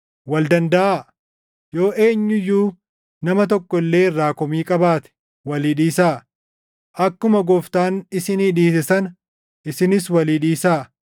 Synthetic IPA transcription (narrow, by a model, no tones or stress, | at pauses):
wɐld̪ɐnd̪ɐʔaː | jo̞ːʔe̞ːɲːʊjːuː | nɐmɐt̪̬ɔkːɔɪlːe̞ːɪrːaːkɔmiːkʼɐbaːt̪ɛ̥ | wɐliːᶑiːsaː | ʔɐkːʊmɐɡɔft̪aːnɪsɪniːᶑiːs̬ɪsɐn | ʔɪsɪnɪs̬wɐliːᶑiːsaː